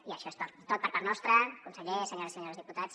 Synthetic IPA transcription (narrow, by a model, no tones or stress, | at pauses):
iaʃɔest̪ot̪ːot̪̚pəɾpaɾnɔst̪ɾəkunsəʎesəɲoɾiseɲoɾazðiput̪at͡s